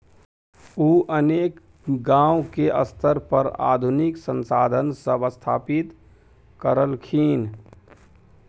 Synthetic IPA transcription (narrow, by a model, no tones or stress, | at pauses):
uːʔəneːk | ɡãːwkeʔə̰st̪ʰəɾpəɾa̰ːd̪ʱʊnɪksə̃nsaːd̪ʱənsəbəst̪ʰaːpɪt̪ | kəɾəlkʰiːn